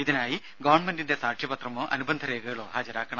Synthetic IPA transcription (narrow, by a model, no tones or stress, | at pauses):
iðinaːji | ɡɐʋɐrɳmendinde̞saːkʂjɐbɐt̪rɐmoːʔɐnubɐnd̪ʱɐɾe̞ːɡɐɣɐɭo̞ːhaːd͡ʑɐɾaːkːɐɳɐm